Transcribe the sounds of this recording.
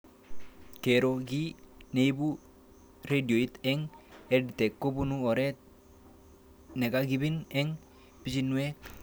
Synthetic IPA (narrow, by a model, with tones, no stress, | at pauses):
ke˨ɾo˨ɡi˦ne˨ibu˦ | ɾe˦di˨o˨i˦t̪ɛ˦ŋɛ˦di˨t̪e˨kːo˦bu˦nu˦o˨ɾɛ˦t̪̚ | ne˨ka˦ɡi˦bi˦nɛ˦ŋ | pi˦t͡ʃi˦nu˦e˦k